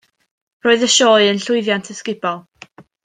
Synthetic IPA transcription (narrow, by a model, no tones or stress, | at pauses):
roːɨðəʃoːɨənɬʊɨðjantʰəskɪbɔlˠ